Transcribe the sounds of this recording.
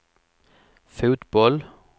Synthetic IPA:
fʉːt̪bɔl

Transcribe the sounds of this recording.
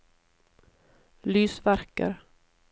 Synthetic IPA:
lyːsvæɾka̰ɾ

